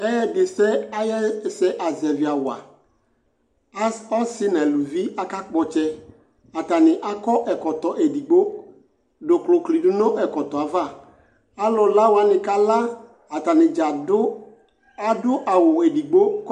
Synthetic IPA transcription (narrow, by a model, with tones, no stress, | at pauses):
ɛ˦jɛ˦dɪ˨sɛ˦a˦jɛ˦˨sɛ˦ʔa˨zɛ˨vɪ˨a˨wa̰˨˦ | ɔ˦sɪ˦nɛ˨lu˨vi˦a˦ka˦k͡pɔ˨t͡ʃɛ˦ | a˨ta˨nɪ˨ʔa˦kɔ˦ʔɛ˨kɔ˨tɔ˨ʔe˨di˨ɡ͡bo˦ | dʊ˨klʊ˨kli˨dʊ˦nɔ̃˦ʔɛ˨kɔ˨t̪ɔ˨a˨va˦˨ | a˦lɔ˨la˦wa˨nɪ̃˨ka˦la˦ | a˨ta˨nɪ˨d͡ʒa˨dʊ˦ | a˨dʊ˦ʔa˨wʊ˨e˨di˨ɡ͡bo˦k